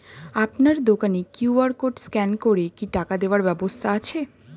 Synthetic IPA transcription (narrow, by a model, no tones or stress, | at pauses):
apnaɾd̪okanekjuaɾkoɖskɛnkoɾekiʈakad̪eoaɾbɛbost̪ʰaat͡ɕʰe